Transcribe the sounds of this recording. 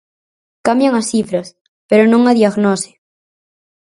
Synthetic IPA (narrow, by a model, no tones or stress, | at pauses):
kamjaŋasθifɾɐs | peɾonõŋɐðiaɣnɔsɪ̥